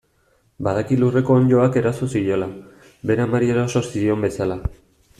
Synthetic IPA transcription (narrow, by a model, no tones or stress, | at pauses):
baðakilure̞ko̞ːɲʎo̞ake̞ɾasosijo̞la | be̞ɾamaɾieɾaso̞ɾsio̞mbe̞sala